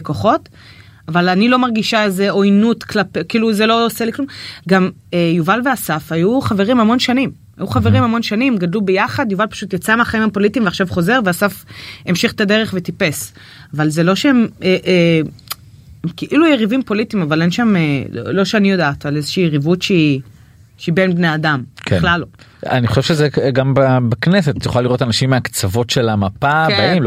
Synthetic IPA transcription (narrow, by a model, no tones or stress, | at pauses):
koχo̞t | avalanilo̞maʁɡiʃaezeo̞jnutklapekiːluzelo̞oseliklumɡam | ejuvalveasafajuχave̞ʁimhamo̞nʃanim | a̰juχaveʁimhamo̞nʃanimɡadlubejaχadjuvalpaʃut̪jat͡sameaχaimapo̞litimveaχʃavχo̞ze̞ʁveasafemʃiχt̪ade̞ʁ̞eχve̞tipe̞s | avalzelo̞ʃeemeʔe | keʔilujeʁivimpo̞litimavale̞nʃamelo̰lo̞ʃeanijo̞daːtalezeʃiːjeʁivutʃei | ʃeibe̞nbneadamkeχlaloa̰niχoʃevʃezeɡambabaknesetjoχaliʁo̞tanaʃimːeakt͡savo̞tʃe̞lamapabaim